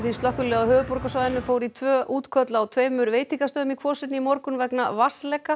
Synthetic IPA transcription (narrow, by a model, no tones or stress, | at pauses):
θist̪ɔhkʏlɛawɦœːvʏpɔɾkasaðɪnːʏfoːwɾit̪ʰvœːʔuːt̪kʰœt̪laːwt̪ʰveːjmʏɾveːjt̪iŋkast̪œːðʏmikʰvɔːsɪnːɪimɔɾkʏnvɛkna̰vaslɛka